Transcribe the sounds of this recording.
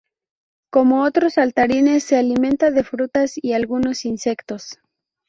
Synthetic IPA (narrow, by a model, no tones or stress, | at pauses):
ko̞mo̞ot̪ɾo̞salt̪aɾine̞sːe̞alimẽ̞nt̪aðe̞fɾut̪asialɣuno̞sinse̞kt̪o̞s